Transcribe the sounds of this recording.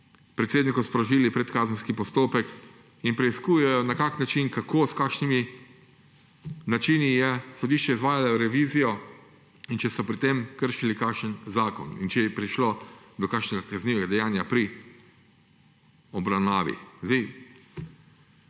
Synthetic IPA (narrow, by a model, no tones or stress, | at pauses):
pɾɛt̪seːd̪nikɔspɾɔʒiːlipɾɛt̪kaːzənskipɔst̪oːpɛk | inpɾɛiskuːjɛjɔnakaːknat͡ʃinkakʰoːskaːkʃnimi | nat͡ʃiːnijɛsɔd̪iːʃt͡ʃɛizʋaːjalaɾɛʋiːzijɔ | int͡ʃɛsɔpɾit̪emkəɾʃilikaːkʃənzaːkɔ̰nḭnt͡ʃɛjɛpɾiʃlod̪ɔkakʃnɛɡakazniʋɛɡad̪ɛjaːnjapɾi | ɔbɾawnaːʋḭzd̪ej